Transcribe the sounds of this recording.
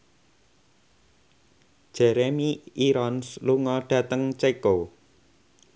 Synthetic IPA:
d̥ʒ̥ɛɾemiiɾɔnsluŋɔɖ̥ä̤t̪əŋt͡ʃeko

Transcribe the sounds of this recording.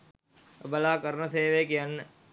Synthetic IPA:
bəlaːkəɾnəseːʋeːkijən

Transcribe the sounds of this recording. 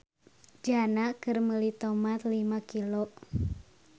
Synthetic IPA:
d͡ʒanakərməlit̪omat̪limakilo

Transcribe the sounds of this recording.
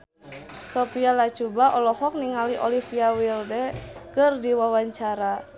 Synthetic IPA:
sopialḁt͡ʃubaʔɔlɔhɔk̚niŋaliʔolifiawildɛkɨrdiwawaɲt͡ʃaɾa

